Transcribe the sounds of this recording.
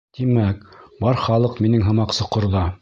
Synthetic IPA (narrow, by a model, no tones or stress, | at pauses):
t̪imækbɑɾχɑlˠɤqminɘŋɦɤ̆mɑqsɤ̆qŏɾðɑ